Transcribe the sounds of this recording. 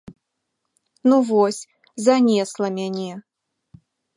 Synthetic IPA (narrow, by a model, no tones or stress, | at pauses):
nuvɔsʲ | zanʲɛslˠɐmʲanʲɛ